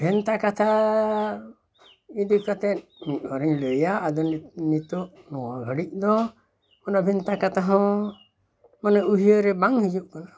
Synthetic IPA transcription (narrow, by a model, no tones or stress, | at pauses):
bʱɛnt̪akat̪ʰa | id̪ukat̪ɛt̪̚miɔɾiɲləjaʔːd̪ɔnnit̪ɔʔ | nɔwaɡʱəɽic̚ˀd̪ɔ | manabʱɛnt̪akat̪aɦɔ̃ | manauɦiəɾɛbaŋhid͡ʒuʔkana